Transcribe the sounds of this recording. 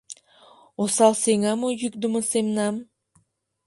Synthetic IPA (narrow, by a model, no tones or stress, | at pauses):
osalˠseŋamujyk̚d̪umɯsemnam